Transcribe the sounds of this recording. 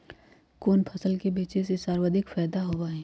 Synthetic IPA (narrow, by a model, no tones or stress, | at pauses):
koːnpʰɐsəlkebeːt͡ʃesesaːɾwəd̪ʱɪkfɛːd̪aɦoʋaɦɛː